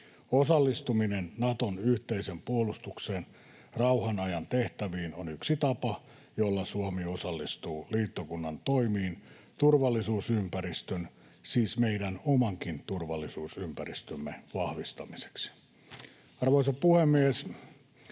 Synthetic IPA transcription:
osɑlːist̪uminennɑt̪onyht̪eisempuolust̪ukseːn | rɑuhɑnɑjɑnt̪eht̪æʋiːnonyksit̪ɑpɑ | jolːɑsuomiosɑlːist̪uːliːt̪ːokunːɑnt̪oimiːn | t̪urʋɑlːisuːsympæɾist̪øn | siːsmeidænomɑŋkint̪urʋɑlːˑisuːsympærist̪ømːeʋɑhʋist̪ɑmise̥ksi̥ | ɑrʋoisɑpuhemːies

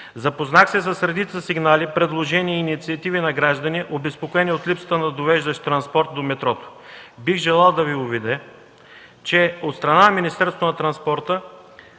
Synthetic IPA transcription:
zɐpoznaxsɛsɐsɾɛd̪it̪səsiɡnalipɾɛd̪lˠoʒɛniɛːnit̪siɐt̪ivinɐɡɾaʒd̪ɐniʔobɛspokoɛniot̪lipsə̥t̪ənɐd̪ovɛʒd̪ɐʃt̪t̪ɾɐnspɔɾt̪̚d̪omɛt̪ɾɔt̪o̥biɣʒɛlˠalˠd̪ɐviʊvid̪ɛ | t͡ʃɛot̪st̪ɾɐnanminist̪ɛɾst̪vonɐt̪ɾɐnspɔɾt̪ə

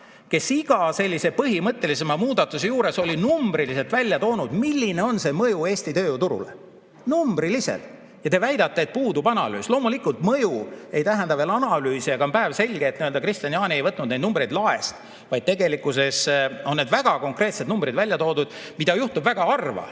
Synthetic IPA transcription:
ke̞siɡ̥ɑse̞lʲːise̞pɤɦimɤt̪ːˑe̞lise̞mɑmuːd̪̥ɑt̪ːˑuse̞juːɾe̞so̞lʲinumbɾilise̞lt̪vælʲːjɑt̪o̞ːnud̪̥milʲːine̞o̞nse̞mɤjue̞ːsʲt̪it̪ø̞ːt̪uɾṵlḛ | numbɾilise̞̰l | jɑt̪evæjd̪ɑt̪ːeːt̪̚puːd̪ubɑnɑ̰ly̰ːslo̞ːmulikˑult̪mɤjue̞jt̪æɦend̪ɑveːlɑnɑlyːsiɑkɑompæevse̞lʲɡ̥eːt̪niø̞ld̪ɑkrist̪iniɑːnʲiejvɤt̪ːˑnud̪nejd̪numbrejd̪lɑe̞̰st̪ | vɑjd̪̥̚t̪e̞ɡe̞likːˑuse̞so̞nːeːd̪væɡ̥ɑko̞ŋkre̞ːt̪se̞d̪numbrid̪vælʲjɑt̪o̞ːd̪ud̪̥mid̪̥ɑjuht̪ubvæɡ̥ɑɑrvɑ̰

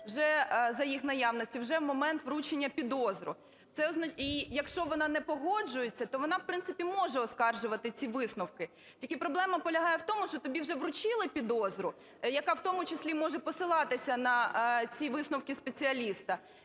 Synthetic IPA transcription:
wʒɛzɐjixnɐjɑwnɔsʲtʲiwʒɛwmɔmɛnt̪ʋɾut͡ʃenʲːɐpʲid̪ɔzɾʊ̰ | t̪sɛɔznɐijɐkʃt͡ʃɔʋɔnɑnɛpɔɦɔd͡ʒʊjet͡sʲːɐt̪ɔʋɔnɑwpɾɪntsɪpʲimɔʒɛɔskɑrʒʊʋɐt̪ɪt͡sʲiʋɪsnɔwkɪ | tʲilkɪpɾɔblˠɛmɐpɔlʲɐɦɑjɛwt̪ɔmʊʃt͡ʃɔt̪ɔbʲiwʒɛʋrʊt͡ʃɪlˠɪpʲid̪ɔzɾʊ | jɐkɑwt̪ɔmʊt͡ʃɪsʲlʲimɔʒɛpɔsɪlˠɑt̪ɪsʲɐnɐt͡sʲiʋɪsnɔwkɪspet͡sʲiɐlʲist̪ɐ

